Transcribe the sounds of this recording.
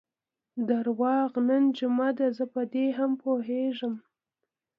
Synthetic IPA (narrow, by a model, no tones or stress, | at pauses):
d̪aɾwɑɣnənd͡ʒʊmad̪azəpəd̪eɦampʰoɦeʒəm